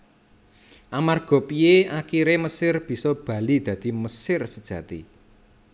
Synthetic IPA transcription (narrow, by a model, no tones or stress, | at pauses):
ʔamarɡ̥ɔ̤pijeakiɾeməsɪrb̥i̤sɔb̥ä̤lid̪̥ä̤d̪̥i̤məsɪrsəd̥ʒ̥ä̤t̪ḭ